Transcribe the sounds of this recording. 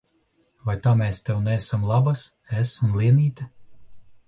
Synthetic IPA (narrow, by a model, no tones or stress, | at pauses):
vajt̪aːmeːst̪ɛwnɛsamlˠabas | esunlˠiɛniːt̪ʲa